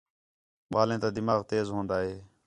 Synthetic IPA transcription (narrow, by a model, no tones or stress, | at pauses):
ɓaːlẽːt̪aːd̪ɪmaːɣt̪eːzɦõːnd̪aːɦeː